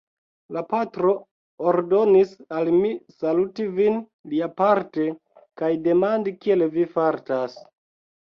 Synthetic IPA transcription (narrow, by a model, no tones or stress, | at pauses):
lapatɾo̞ː | ɾdo̞nisalmisalutivin | liapaɾte̞ | kajde̞mandikie̞lvifaɾtas